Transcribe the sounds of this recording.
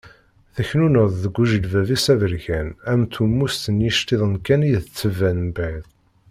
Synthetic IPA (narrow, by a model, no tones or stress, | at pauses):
θæçnunəðˤðəɡʷːuʒəlvævisævəɾʝænæmθumːust̪ənjiʃt̪iðˤənkæniðət͡sːəvːænbæjðˤ